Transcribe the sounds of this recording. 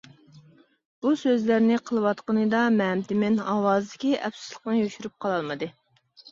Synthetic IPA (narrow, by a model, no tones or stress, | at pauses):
b̥usøzlæɾnɪqʰəlˠɨwɑt̪qənɨd̪ɑmɛmt̪ɪmɪnɑwɑːzɨd̪ɪkʲiʔɛ̰psɪ̥zlˠəq̚nɨjøʃyɾyp̚qʰɑlˠɑlˠmɨd̪ɨ